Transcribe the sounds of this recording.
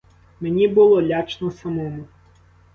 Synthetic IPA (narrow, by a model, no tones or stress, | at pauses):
menʲibʊlˠɔlʲat͡ʃnɔsɐmɔmʊ